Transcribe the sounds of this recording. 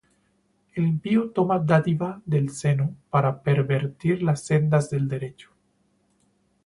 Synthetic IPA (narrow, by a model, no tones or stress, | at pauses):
elimpiut̪omad̪at̪iβaðelsenupaɾapeɾβeɾt̪iɾlasːend̪azðeld̪eɾet͡ʃu̥